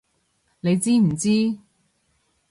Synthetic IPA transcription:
ne˨˧jt͡siː˥m̩˨˩t͡siː˥

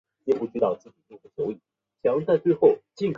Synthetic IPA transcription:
ɛ˥˧˩pu˥˩t͡ɕ̩˥t̪ɑ˥˩ʊt͡sɹ̩˥˩t͡ɕi˨˩t͡ɕo˥˧u˥˩t͡ɕjo˧˥ʊi˨˩˦ | ɕjɑ˧˥ŋt͡sa˥˧ɪt͡swe˥˧ɪxo˥˩ʊt͡ɕi˥˩ŋkʰ

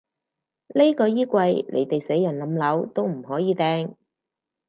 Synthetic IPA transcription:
le˥kɔː˧jiː˥kʷwɐ˧jlʔḛ˨˩jt̪e˨jse˨˥jːɐ˨˩nlɐ˨˧˥mlɐ˨˥wt̪o˥wm̩˨˩hɔː˨˥jiː˨˧t̪ɛː˧ŋ

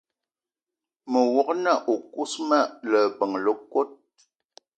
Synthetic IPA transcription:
mə˨wɔ˨k̚na˦˨ʔu˨ku˦sma˦˨lə˨bə˨ŋlə˦kwo˦t̚

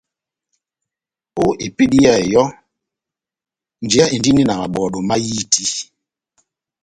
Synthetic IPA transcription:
o˦ʔi˨pi˦di˦ja˦˨jɔ˦ | n̩˨d͡ʒe˦a˦i˨n˨di˦ni˦na˨ɣa˨ɓɔ˨ɗo˨ma˦ji˦tʰi˦

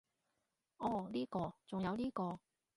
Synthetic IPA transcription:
ɔː˨˧liː˥kɔː˧t͡sʊ˨ŋjɐ˨˧wliː˥kɔː˧

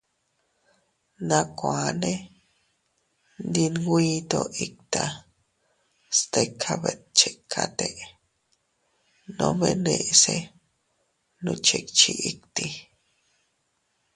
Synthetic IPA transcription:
nã˧kʷa˨nẽ˦ | nd̪i˧nɡʷi˦t̪o˧ʔi˦˧k̚t̪a˧ | st̪e˧kʰa˧βe˨t̪̚t͡ʃe˨kʰa˧t̪e˧ʔ | nõ˧βe˧nẽ˧ʔse˧ | nũ˧t͡ʃe˧k̚t͡ʃi˧ʔi˦kt̪i˧

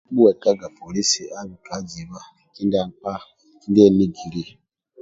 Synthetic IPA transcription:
ɓu˦ɛ˨ka˦ɡa˨pʰo˨li˦si˨a˦βi˨ka˨˦d͡zi˨βa˦ | ki˦nda˨k͡pa˦ | i˦nde˦˨ni˦ɡi˨ɾi˦

